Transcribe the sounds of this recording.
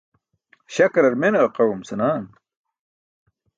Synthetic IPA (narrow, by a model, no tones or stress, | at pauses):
ɕɐkɾɐɾmenɐqɐwumsɐnaːn